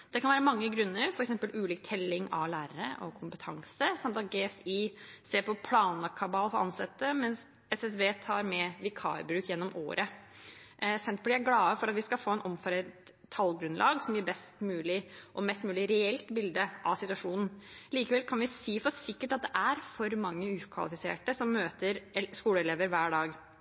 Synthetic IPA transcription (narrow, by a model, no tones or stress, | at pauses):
d̪̥ɛkʰɑnʋæːɾəmɑŋːəɡɾʉnːəɾfɔɾɛksɛmpəlʉːliːk̚t̪ʰɛlːɪŋɑ̰ʋlæːɾəɾə̰ʔɔ̰kʰʊmpət̪ʰɑŋsəsɑmt̪ɑɡeːɛsiseːpʰɔpʰlɑːnɑkʰɑbɑːlfɔɾʔɑ̰nsɛt̪ːəmɛns | ɛsɛsbeːt̪ʰɑ̰ːɾmɛʋɪkʰɑ̰ːɪbɾʉːkjɛnːɔmʔo̰ːɾʔə | sɛnt̪̚blɪæɡlɑːəfɔɾɑt̪ʋɪskɑlfoːɛnʔɔmfɔɾət̪ʰːɑlɡɾʉnlʔɑ̰ːɡsɔmjæbɛst̪mʉːlɪʔɔmɛst̪mʉːlɪɾɛɛlt̪bɪld̪əʔɑ̰sɪt̪ʉɑʂuːnn̩liːkəʋɛlkʰɑnʋɪsiːfɔsɪkːəʈɑt̪̚d̪ɛʔæɾfɔɾmɑŋːəʉːkʰʋɑ̰lɪfɪsḛːʈəsɔmːøːt̪əɾskuːləɛleːʋəɾʋæːɖɑːɡ